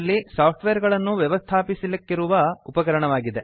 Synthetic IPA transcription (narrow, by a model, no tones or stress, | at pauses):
lːisaːp̚ʰʈʋeːɾɡɐɭɐnːuʋjɛʋɐst̪ʰaːpisilɐkːiɾuʋɐupɐkɐɾɐɳɐʋaːɡid̪e